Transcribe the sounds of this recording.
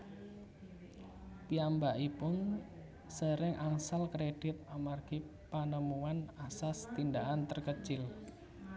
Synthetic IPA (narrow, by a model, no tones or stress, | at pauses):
piambaʔipʊn | səɾɪŋʔaŋsalkɾed̥ɪt̪̚amarɡ̥ipanəmuanasast̪ind̪aʔant̪ərkət͡ʃɪl